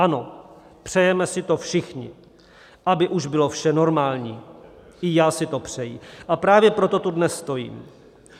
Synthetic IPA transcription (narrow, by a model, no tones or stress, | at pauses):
ʔano̞ | pr̝̥ɛjɛmɛsɪt̪o̞fʃɪxɲɪ̰ | ʔabɪʔuʒbɪlo̞fʃɛno̞ɾmaːlɲiː | ʔɪjaːsɪt̪o̞pr̝̥ɛjɪʔapɾaːvjɛpɾo̞t̪o̞t̪udnɛsːt̪o̞jḭːm